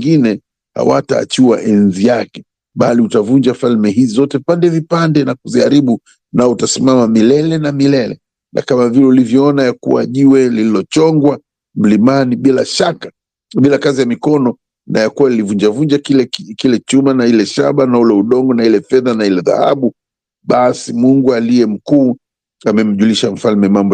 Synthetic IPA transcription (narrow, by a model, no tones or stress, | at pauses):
ŋɡinɛ | ha̰wata̰ːt͡ʃuwa̰ʔɛnzijakɛ̥ | ɓaliutavuɲd͡ʒafalmɛɦizizɔtɛpandɛvipandɛnakuziaɾiɓu | nautasimamamilɛlɛnamilɛlɛ̰ | nʔa̰kamavilɛulivjɔɔnajakṵwa̰ʄuwɛlililɔt͡ʃɔŋɡwa | m̩limaniɓilaʃaka | ɓilakazijamikɔnɔ | na̰jakuwailivund͡ʒavund͡ʒakilɛkilɛt͡ʃumanailɛʃa̰ɓanaulɛuɗɔŋɡɔnailɛfɛðanailɛða̰ha̰ɓu | ɓasimuŋɡualiɛm̩kuː | amɛm̩ʄuliʃam̩falmɛmambɔ